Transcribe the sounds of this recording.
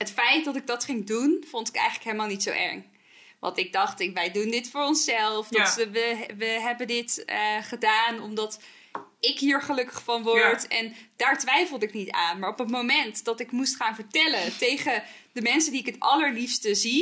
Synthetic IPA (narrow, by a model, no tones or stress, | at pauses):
ɦətfɛjt̚dɑtɪɡ̚dɑtχɪŋdunv̥ontɪ̥kɛ̰jχələkɦeləmaːlˠnitsowʔɛ̰ɹŋ | ʋɑ̰ntɪɡ̚dɑχtɪʋɛjdundɪtfʊːɹɔnsɛlˠfɔəʋəɦɛbəndɪtəχədaːnɔmdɑt | ɪkɦiːɹχəlɵkə̥χfɑnʋɔɹtɛnd̥aːɹtʋɛjfəl̩ˠdɪknita̰ːnmaːɹɔpətmowmɛntd̥ɑtɪkmustχaːnvəɹtɛlətejχədəmɛnsəndiɪkɦətɑləɹlifstəzi